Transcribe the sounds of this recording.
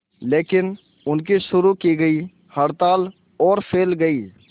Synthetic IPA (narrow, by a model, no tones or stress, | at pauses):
leːkɪn | ʊnk̬iʃʊɾukiɡəi | hɐɽt̪aːl | ɔːɾpʰeːlɡɐiː